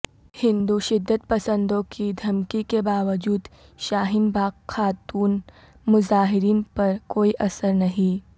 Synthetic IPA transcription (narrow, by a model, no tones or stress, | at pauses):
hɪ̃nd̪uʃɪd̪ːət̪pɐsə̃nd̪õkʰid̪ʱɐmkikebaːʋəd͡ʒuːd̪ | ʃaːɦɪnbaːxaːt̪uːn | mʊzaːɦɪɾiːnpɐɾkoːiʔɐsəɾnɐɦĩ